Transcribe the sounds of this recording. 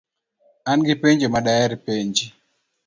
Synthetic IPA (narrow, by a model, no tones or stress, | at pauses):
anɡipeɲd͡ʒemaɗajaɾipeɲd͡ʒi